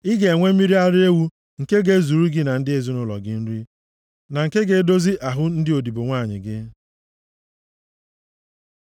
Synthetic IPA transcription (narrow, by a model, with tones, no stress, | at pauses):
ɪ˦ɡe˨e˨ŋʷe˦i˦ɾi˦a˦ɾɪ˦e˦wu˦ | ŋ̩˨ke˦ɡe˦zu˨ɾu˦ɡɪ˦na˨n̩˦dɪ˦e˦zu˦nʊ˦lɔ̰˨ɡɪ˦n̩˦ɾi˦ | na˨ŋ̩˨ke˦ɡe˨˦do˦zi˦ʔa˨ɦʊ˦n̩˦dɪ˦o˨di˨bo˨ŋʷaː˦˨ɲɪ̰˨ɡɪ˦